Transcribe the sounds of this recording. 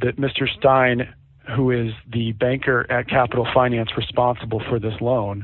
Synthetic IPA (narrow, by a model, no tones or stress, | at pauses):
ðɨt̚mɪstə˞stãɪ̃n | ɦuɪzðɨbæ̃ŋkʰə˞ʔɨt̚kʰæpəɾl̩ˠfãɪ̃næ̃nsɹɨspɑ̃nsəbl̩ˠfə˞ðɪslõʊ̃n